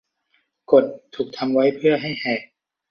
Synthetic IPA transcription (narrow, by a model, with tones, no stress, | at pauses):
ko˨˩t̪ʰːuː˨˩k̚t̪ʰa˧mwa˦˥jpʰɯ˥˩ɐɦa˥˩jhɛː˨˩